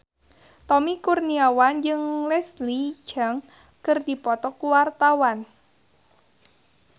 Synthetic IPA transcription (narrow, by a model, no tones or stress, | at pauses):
t̪ɔmikurniawand͡ʒɨŋlɛsli̥d͡ʒ̥aŋ | kɨrdipɔt̪ɔkuwart̪awan